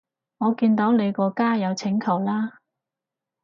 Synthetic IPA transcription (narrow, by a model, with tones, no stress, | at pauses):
ŋɔː˨˧kiː˧nt̪o˨˥wne˨˧jkɔː˧kaː˥jɐ˨˧wt͡sʰɪ˨˥ŋkʰɐ˨˩wlaː˥